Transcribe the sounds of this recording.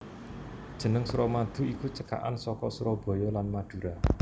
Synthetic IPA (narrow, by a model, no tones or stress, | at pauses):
d̥ʒ̥ə̤nəŋsuɾɔmad̪̥ṳikut͡ʃəka̰ʔa̰nsɔkɔsuɾɔb̥ɔ̤jɔlanmad̪̥ṳɾa